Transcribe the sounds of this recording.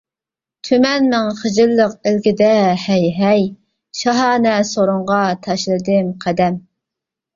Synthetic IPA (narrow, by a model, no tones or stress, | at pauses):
t̪ʰymɛnmɪŋχəd͡ʒɪlːəqɪlɡʲɪd̪ɛhɛjɦɛj | ʃɑɦɑːnɛsoɾʊɴʁɑt̪ʰɑʃlˠɨd̪ɨmqʰæd̪ɛm